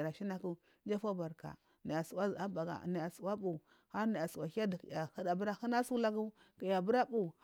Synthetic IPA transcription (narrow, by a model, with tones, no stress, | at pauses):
ɾa˨ʃi˦na˦ku˦ | d͡ʒa˦fa˦ba˨ɾka̰˨ | na˨ja˨su˨wa˦˨a˦ba˨ɡa̰˨na˨ja˨su˨wa˦bu˨ | ha˦ɾna˨ja˨su˨wa˨ka˦dja˨ha˦da˨bu˦ɾa˦hu˦na˦su˦la˦ɡu˦ | ki˨ja˨bu˦ɾa˦bu˨